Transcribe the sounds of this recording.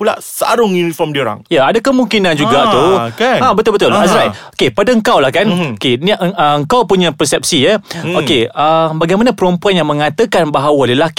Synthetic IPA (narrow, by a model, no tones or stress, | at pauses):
pula̰ʔsa̰ɾʊŋjunifɔmdioɾa̰ŋjaadakəmũŋkinãnd͡ʒuɡat̪ukeãbət̪ʊlbət̪ʊlazɾajokepadaəŋkawlahkanokenʔəəŋkawpuɲãpərsɛp̚sijəokeəbaɡajmanãpəɾɔmpuanjaŋmə̃ŋãt̪əkanbaɦawaləlaki̥